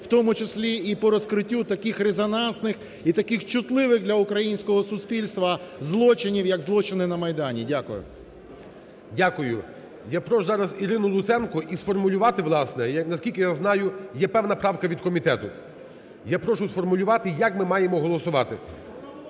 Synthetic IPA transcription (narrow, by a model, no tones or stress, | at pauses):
wt̪ɔmʊt͡ʃɪsʲlʲiipɔɾɔskɾɪtʲːut̪ɐkɪxɾezɔnɑnsnɪx | it̪ɐkɪxt͡ʃʊt̪lˠɪʋɪxd̪lʲɐʊkɾɐjinʲsʲkɔɦɔsʊsʲpʲilʲst̪ʋɐzlˠɔt͡ʃɪnʲiwjɐɡzlˠɔt͡ʃɪnɪnɐmɐjd̪ɑnʲidʲakʊjʊ̰ | dʲakʊjʊ | japɾɔʃʊzɑɾɐziɾɪnʊlˠʊt̪sɛnkʊʔisfɔrmʊlʲʊʋɑt̪ɪʋlˠɑsnɛjɐnɐsʲkʲilʲkʲɪjaznɑjʊjɛpɛwnɐpɾɑwkɐʋʲid̪̚kɔmʲit̪ɛt̪ʊ | japɾɔʃʊsfɔrmʊlʲʊʋɑt̪ɪjɐkmɪmɑjemɔɦɔlˠɔsʊʋɑt̪ɪ